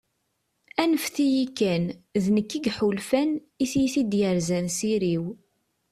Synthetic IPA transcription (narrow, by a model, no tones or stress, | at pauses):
ænəfθijikːænðnəkːiɡħulfæn | iθjiθid̪jəɾzænsiɾiw